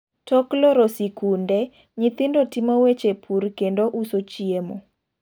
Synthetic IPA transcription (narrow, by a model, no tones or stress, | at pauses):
tɔklɔɾosikundɛ | ɲit̪ɪndotimowet͡ʃepʰurkendoʔusot͡ʃiemo